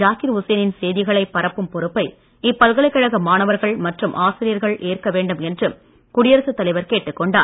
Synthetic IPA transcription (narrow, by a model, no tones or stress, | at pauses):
d͡ʒaːkɪɾʊsɐjɐnɪnsejðɪɣɐɭɐɪpːɐɾɐpːɯmpɔɾɯpːɐɪ | ɪpːɐlɣɐɭɐɪkːɐɻɐɣɐmaːnɐʋɐɾɣɐɭmɐʈrɯmʔaːsɪɾɪjɐɾɣɐɭʔeːrkɐʋeːɳɖɯmɛndrɯm | kʊɽɪjɐɾɐsɯt̪ːɐlɐɪʋɐɾkeːʈːɯkːɔɳɖaːɾ